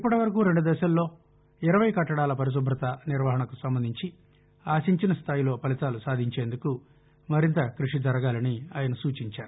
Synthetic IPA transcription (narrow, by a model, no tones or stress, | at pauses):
ipːɐʈɐʋɐɾɐk̬uːɾe̞ɳɖud̪ɛːʃɐlːo̞ː | iɾɐʋɐjkɐʈːɐɽaːlɐpɐɾis̬ubʱɾɐt̪ɐniɾʋɐːɦɐɳɐkusɐmbɐnd̪ʱiɲt͡ʃi | aːsiɲt͡ʃinɐst̪ʰaːjilo̞ːpɐlit̪aːlusaːd̪ʱiɲt͡ʃe̞ːnd̪uku | mɐɾint̪ɐkɾuʂid͡ʒɐɾɐɡaːlɐniaːjɐnɐsuːt͡ʃiɲt͡ʃaːɾu